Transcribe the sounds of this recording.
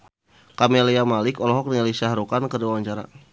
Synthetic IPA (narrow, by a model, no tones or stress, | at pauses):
kameliamalɪkɔlɔɦɔk̚nilisahɾukankəduwawaɲt͡ʃaɾa̰